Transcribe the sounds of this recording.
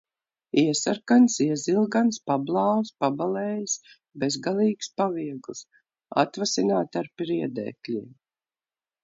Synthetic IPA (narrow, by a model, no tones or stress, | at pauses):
iɛsaɾkansiɛzilˠɡanspablˠɑːwspabalɛːjs | bezɡalˠiːkspaviɛɡlˠs | a̰t̪vasinaːt̪aɾpɾiɛd̪ɛ̰ːklʲḭːm